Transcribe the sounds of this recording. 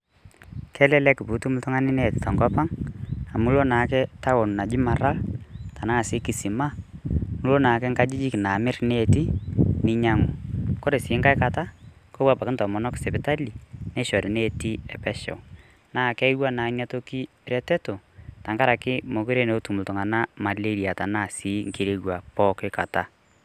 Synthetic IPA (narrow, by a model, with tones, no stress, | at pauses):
kʰɛ˦lɛ˦lɛ˦kɪ˨pu˨˦tu˦mʊ˦ltɔ˦ŋa˦nɪ˦nɛ˦˨tɪ̥˨ta˨ŋkɔ˦pa˦ŋa˨mu˦lo˦naː˨˦kɛ˦ta˦wo˨n˨na˨d͡ʒi˦ma˨ɾa˦lta˨na˦a˨sɪ˨˦ki˨si˨ma˦˨nu˦lo˦naː˨kɛ˦ŋka˦d͡ʒi˦d͡ʒi˦kɪ˨na˨mɪ˦ɾnɛ˦˨ti˦nɪ˦ɲa˦ŋu˨kɔ˦ɾe˨sɪ˨˦ŋka˦jka˨ta˦ | ko˦wa˦pa˨kɪ˦ntɔ˨mɔ˨nɔ˦ksɛ˨pɪ˨ta˦li˨nɛ˦ʃɔ˨ɾɪ˨ne˦˨ti˦ɛ˨pɛ˦ʃɛ̰˨ | naː˦˨kɛ˦ɪ˦wa˦naː˨˦ɲa˦to˦ki˦ | ɾɛ˦tɛ˦to˨ta˨ŋka˦ɾa˨kɪ˦mo˨kʊ˦ɾe˦ne˨˦tu˨mu˨ltʊ˨ŋa˨na˦ma˨le˦ɾi˨a˨ta˨na˦˨si˨˦ŋki˨ɾe˦wa˨pɔ˦kɪ˦ka̰˨ta̰˦